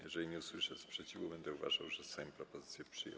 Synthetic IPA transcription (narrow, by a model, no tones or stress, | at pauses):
jɛʐɛlʲiɲɛuswɘʂɛspʂɛt͡ɕivubɛnd̪ɛuva̰ʐa̰wʐɛsajɔ̃mpɾɔpɔzɘt̪sʲjɛpʂɘjɛ̰